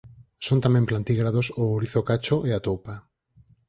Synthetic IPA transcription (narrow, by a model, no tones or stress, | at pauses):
sont̪amɛ̃mplant̪iɣɾaðosʊɾiθokat͡ʃoʔeat̪opa